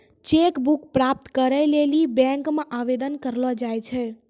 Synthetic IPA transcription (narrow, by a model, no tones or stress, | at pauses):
t͡ʃekbukpɾap̚t̪kəɾəjlelibɛ̃ŋkmãʔaʋed̪ənkəɾlɔd͡ʒajt͡ʃʰɛ